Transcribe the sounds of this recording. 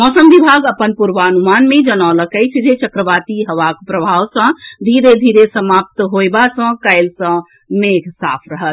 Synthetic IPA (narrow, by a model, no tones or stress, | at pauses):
mɔsəmbibʱaɡəpənpuɾʋaənumanmed͡ʒənaləkəjt͡ʃʰd͡ʒʱet͡ʃəkɾəʋat̪iɦəʋakpɾəbʱawsə̃d̪ʱiɾed̪ʱiɾesəmap̚t̪ɦojbasə̃kaɪlsə̃ | meɡʰʱsa̰pʰɾəɦət̪̚